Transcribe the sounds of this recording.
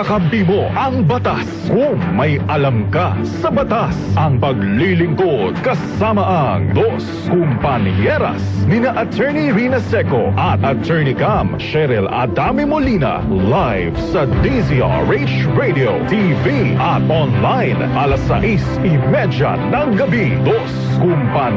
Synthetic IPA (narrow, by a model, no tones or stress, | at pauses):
ɐkɐmpimoʔɐŋbɐt̪as | kʊŋmɐjʔɐlɐmkɐsɐbɐt̪asʔɐŋpɐɡlilɪŋkod̪̚kɐsamɐʔɐŋd̪os | kʊmpɐnjɛɾɐ̰snɪnɐʔɐt̪ʰɛɹniɾinɐsɛkoʔɐt̪̚ʔɐt̪ʰɛɹnikamʃɛɾɛlɐ̰d̪amɪmolinɐ̰lajvsɐd̪isia̰ɹet͡ʃɹejd̪iot̪iviʔɐt̪̚ʔɔnlajnʔɐlɐsɐ̰ʔis | ɪmɛd͡ʒɐ̰nɐŋɡɐbi | d̪os | kʊmpɐn